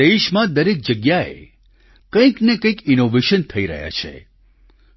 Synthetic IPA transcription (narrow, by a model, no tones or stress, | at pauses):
eʃmãd̪əɾek̚d͡ʒəɡjaḛ | kə̃ĩknekə̃ĩkinoʋeʃənt̪ʰəiɾə̰ɦja̰t͡ʃʰḛ